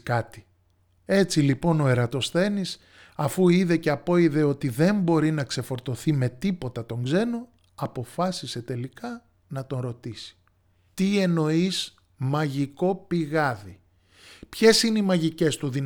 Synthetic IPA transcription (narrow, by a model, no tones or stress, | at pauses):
kɐt̪i̥ | e̞t͡silipo̞no̞e̞ɾɐt̪o̞sθe̞nis | ɐfuiðe̞ce̞ɐpo̞iðe̞o̞t̪iðe̞mbo̞ɾinɐkse̞fo̞ɾt̪o̞θime̞t̪ipo̞t̪ɐt̪o̞ŋɡze̞no | ɐpo̞fɐsise̞t̪e̞likɐ | nɐt̪o̞nɾo̞t̪isi̥ | t̪ie̞no̞is | mɐʝiko̞piɣɐði | pçe̞sineimɐʝice̞st̪uðin